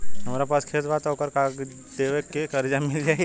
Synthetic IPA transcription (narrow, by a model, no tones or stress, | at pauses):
ɦɐmaːɾapaːskʰeːt̪bat̪ɔkəɾkaːɡ | d̪eːʋekekəɾd͡ʒamɪld͡ʒaːe